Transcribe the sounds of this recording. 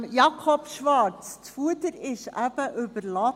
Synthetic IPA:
jɑkʰɔpʃʋɑɾtt̪fuəd̪əɾɪʃæb̥əʔʏbəɾlɑ

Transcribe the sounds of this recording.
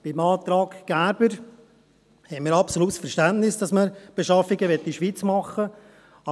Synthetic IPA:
b̥ɪmɑːt̪ɾɑːkɡ̥æbəɾ | hɛnmiːɾɑpsoluːt̪sfɛɾʃtæntnɪsd̥ɑsməɾb̥eʃɑfːɪɡəʋɛt̪ːiʃʋit͡smɑχə | ɑ

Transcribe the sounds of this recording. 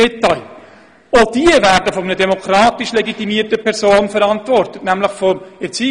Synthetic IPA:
ɛtɑɪl | od̥iəvæːɾdəfɔmənədɛmokʰɾaːtiʃlɛɡitimiətəpʰɛɾsoːnfɛɾɑntvɔrtətnæmləχfɔɛɾt͡siː

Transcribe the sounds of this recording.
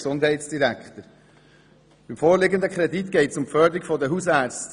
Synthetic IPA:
sʊnd̪ɦɛɪtsd̥iɾækχt̪əɾ | b̥ɪmfoːɾlɪɡənd̪əkʰχɾɛditɡ̥ɛɪtsʊmfœːd̪əɾikfɔdəɦusæːt͡st

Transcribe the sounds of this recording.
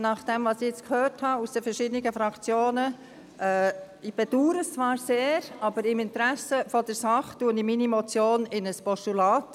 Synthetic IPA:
nɑχd̥ɛmvɑsɪɪt͡skʰhøːɾthɑusd̥əfɛɾʃɪdəniɡəfɾɑkt͡sjoːnə | ʔɛ | ib̥ɛd̥uːɾəst͡svɑːɾseːɾɑbəɾɪmɪntɾæsəfɔd̥ɛɾsɑχtuəniminimɔt͡sjoːnɪnəspɔʃtulɑːt

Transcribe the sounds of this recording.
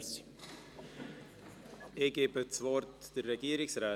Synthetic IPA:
eɡ̥eːbət͡svɔrtd̥ərːɛɡ̥iːəɾɪksrɛː

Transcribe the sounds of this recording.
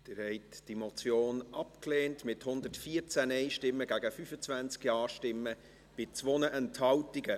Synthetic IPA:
d̥ɪːɾhɛɪtd̥imot͡sjoːnʔɑpkleːntmɪthʊndətfiːəɾt͡sænɛɪʃtɪmːəɡæɡəfyfət͡svænt͡skjɑːɾʃtɪmːə | b̥ɪt͡svonəʔɛnthɑwtɪɡə

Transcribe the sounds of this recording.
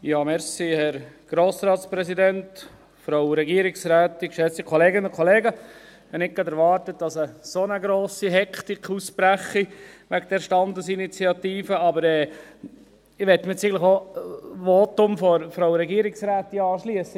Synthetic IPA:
jɑːmɛɾsihɛɾɡ̥ɾoːsɾɑːtspɾɛsidɛnt | fɾɔwɾɛɡiəɾɪksɾæːt̪ɪkʃɛt͡sikʰɔleːɡənʊnkʰɔleːɡəhɛnɪk̚ɡ̥ɑdɛɾʋɑːɾtət̚d̥ɑsəsonəɡɾoːsiɦɛkʰtikʰuspɾæχiʋæk̚d̥̪ɛɾʃtɑnd̪əsinit͡siɑt̪iːfəɑbəɾɛː | ɪʋɛtːmt͡siɡələoʋoːt̪ʊmfɔɾfɾɔwɾɛɡiəɾɪksɾæːt̪ːiɑːʃliəsə

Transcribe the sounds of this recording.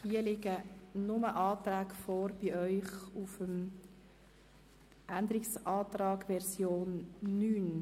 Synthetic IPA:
hiəlɪɡənʊməʔɑːt̪ɾæːɡfɔːɾb̥iʔœʏχufəm | ʔænd̪əɾɪksʔɑːt̪ɾɑːɡʋɛɾsjoːnːyːn

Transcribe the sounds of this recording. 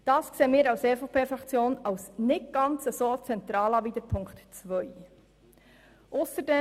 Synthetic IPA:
d̥ɑːskseːəmiːɾɑwseːfopʰeːfɾɑkt͡sjoːnɑwsnɪtɡ̥ɑnt͡səsoːt͡sɛnt̪ɾɑːlɑʋiːd̪əɾpʰʊŋktt͡sʋœj | ʔʊsəɾdɛ

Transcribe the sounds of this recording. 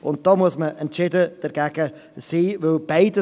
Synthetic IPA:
ʊ̰nd̪ɔmuʊəsməʔənt͡ʃɪdəd̥̪əɾɡaɡə | siːvʊlbaɪdə

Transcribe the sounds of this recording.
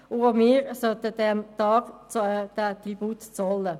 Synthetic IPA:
ʊomiːɾsœt̪ədɛmt̪ɑːɡ̥t͡sd̥̪ət̪ɾibuːt̪t͡sɔlə

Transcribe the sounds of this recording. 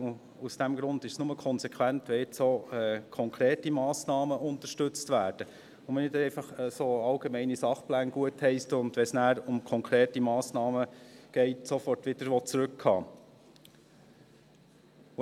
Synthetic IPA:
usd̥æmɡɾʊnd̪ɪʃsnʊməkʰɔnsɛkʰʋæntʋɛɪt͡soːɛːkʰɔŋkʰɾeːtimɑːsnɑːməʔʊnt̪əʃtɵt͡stʋæːɾd̥ə | ʊmɛnɪtɛɪfɑχɛsoːɑlɡ̥emɛɪnisɑχplæːnɡ̥uəthɛɪstʊnd̥̪ʋɛsnæːɾʊmkʰɔŋkʰɾeːtimɑːsnɑːməɡ̥ɛɪtsofɔrtʋɪd̥əɾʋɔt͡sɾʉkʰːɑ̰ː

